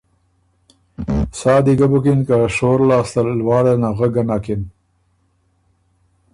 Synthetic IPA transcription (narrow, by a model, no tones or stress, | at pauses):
sɑːd̪iɡabukinkaʂoːɾlɑːst̪alwɑːɽenaɣəɡanakɪn